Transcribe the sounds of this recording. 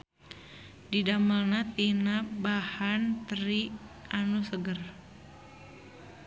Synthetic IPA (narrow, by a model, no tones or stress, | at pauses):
didamalnat̪inabahant̪ɾiʔanusəɡər